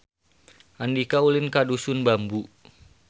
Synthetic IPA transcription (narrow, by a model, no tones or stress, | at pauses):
ʔandikaulinkadusunbambu